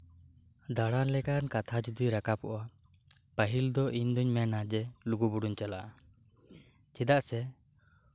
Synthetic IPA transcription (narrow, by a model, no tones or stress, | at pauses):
d̪aɽanlɛkankat̪ʰad͡ʒud̪iɾakapɔʔa | pəɦild̪ɔʔiɲd̪uɲmɛnad͡ʒɛluɡubuɽuɲt͡ʃalaʔ | t͡ʃid̪aʔsɛ